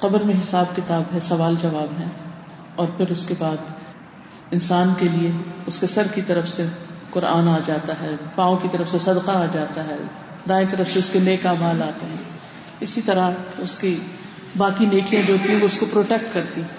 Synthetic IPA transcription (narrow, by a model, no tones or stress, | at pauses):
qɐbəɾmẽɦɪsaːb̚kɪt̪aːbɦɛsɐʋaːld͡ʒɐʋaːbɦɛ̃ | ɔːɾpʰɪɾʊskebaːd̪ | ɪnsaːnkelieʊskesɐɾkit̪ɐɾəfseqʊɾa̰ːnaːd͡ʒaːt̪aɦɛːpãːõkit̪ɐɾəfsesɐd̪qaːd͡ʒaːt̪aɦɛː | d̪ãːẽt̪̬ɐɾəfseʊskeneːkaːmaːlaːt̪eɦɛ̃ | ɪsit̪ɐɾaʊski | baːkineːkijãd͡ʒoːt̪ĩɦoʊskopɾoːʈek̚ʈkɐɾt̪i